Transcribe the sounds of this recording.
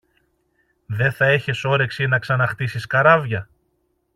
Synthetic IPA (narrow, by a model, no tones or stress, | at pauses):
ðe̞θɐe̞çe̞so̞ɾe̞ksinɐksɐnɐxt̪isiskɐɾɐvʝɐ